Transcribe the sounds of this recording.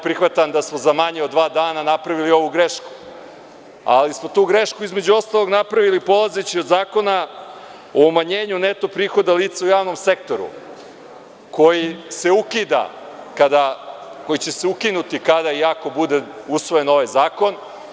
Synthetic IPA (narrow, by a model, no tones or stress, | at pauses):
pɾixʋat̪and̪asmo̞zamaɲeo̞d̪ʋaːd̪aːnanapɾaʋilio̞ʋuɡɾeʃku̥ | a̰lismo̞t̪uːɡɾe̞ʃkuizme̞d͡ʑuo̞st̪alˠo̞ɡnapɾaʋilipo̞lˠazet͡ɕio̞d̪zaːko̞na | oːmaɲe̞ːɲune̞t̪o̞pɾiːxo̞d̪aliːt̪saujaːʋno̞mse̞k̚t̪o̞ɾṵ | ko̞jise̞ukid̪a̰ | kad̪akojit͡ɕe̞seukinut̪ikad̪aiako̞bud̪e̞usʋo̞je̞no̞ʋajzaːko̞n